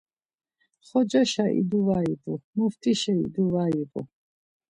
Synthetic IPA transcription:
χɔd͡ʒaʃaʔḭd̪uvaibʼumuft̪ʼiʃɛḭd̪uvaibʼṵ

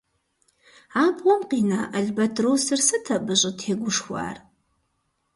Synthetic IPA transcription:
aːbʁʷɔmqiːnaːʔɐɮbɐtʰroːsɨrsɨtʰɐbɨɕʼɪtʰeːɡʷʊʂxʷa̰ːr

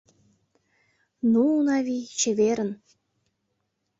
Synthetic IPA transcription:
nuːnɑβit͡ɕeβeɾə̆n

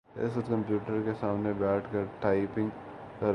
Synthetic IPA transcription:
ɪ̰sɐt̪kɐ̃mpjuːʈəɾkesaːmnebɛːʈʰkɐɾʈaːɪpɪ̃ŋɡ | kɐɾ

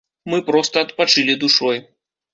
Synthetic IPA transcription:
mɨpɾɔst̪ɐːt̪pat͡ʂɨlʲid̪uʂɔj

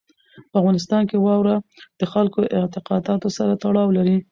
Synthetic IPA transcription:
pəavɣɑnɪs̬t̪ɑnkewɑwɾad̪̥əxalkoʔɪt̪ɪqɑd̪ɑt̪osaɾat̪aɽɑwlaɾi

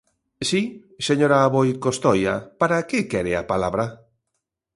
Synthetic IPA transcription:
si | seɲoɾaːβojkost̪ɔja̰paɾakɪkɛɾea̰palaβɾa

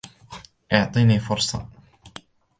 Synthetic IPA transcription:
ʔɑʕt̪ˤiːniːfʊɾsˤɑ̰

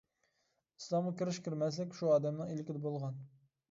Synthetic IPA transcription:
i̥slˠɑmʁɑkʲiɾɪʃkʲʰiɾmɛslɪkʲʃuɑːd̪ɛmnɨilɪkʲɪd̪ɪbolˠʁɑn

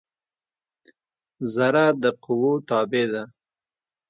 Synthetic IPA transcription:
zaɾad̪əqʊwot̪ɑːbed̪a

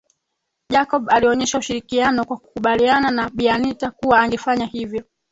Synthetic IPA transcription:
ʄakɔɓaliɔɲɛʃauʃiɾikianɔkwaku̥kuɓaliananaɓianitakuwaːŋɡɛfaɲahivjɔ

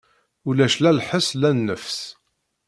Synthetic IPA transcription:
ulæʃlælħəslænːəfs

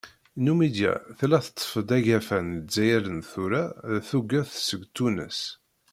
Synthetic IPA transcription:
numid̪jæ̰θlæθə̥t̪ˤːə̥fəd̪æʝæfænzæjæɾənθuɾaθuɡæθsəɡt̪ːunə̰s

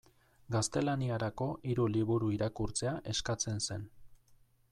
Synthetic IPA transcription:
ɡast̪e̞laniaɾako̞ʔiɾuliβ̞uɾuiɾakuɾt͡se̞aʔe̞skat͡se̞nse̞n

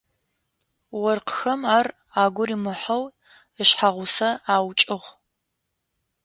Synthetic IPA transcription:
wɔrqə̥xɐmaːr | aːɡʷʊɾiːmɨħɐw | əɕħaʁʷʊsɐaːwt͡ʃʼɪʁʷ

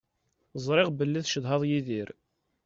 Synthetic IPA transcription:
zˤɾˤɪʁbəlːiðʃəðɦɑðˤjiðiɾ

